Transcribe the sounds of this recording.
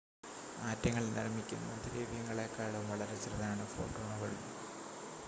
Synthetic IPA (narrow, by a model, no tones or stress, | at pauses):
aːtːɐŋːɐɭnɐ̰rmikʲːṵmɐ̰nd̪ɾiːʋijɐŋːɐɭekːaːɭumʋɐɭɐɾet͡ɕrɨðɐaːɳɨfo̰ːʈoːɳɐʋɐɭu